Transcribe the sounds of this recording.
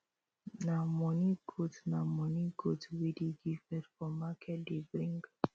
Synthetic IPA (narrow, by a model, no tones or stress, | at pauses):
namɔniɡʰutnamɔniɡutwidiɡifɛdfɔmakʰɛdibɾiŋɡ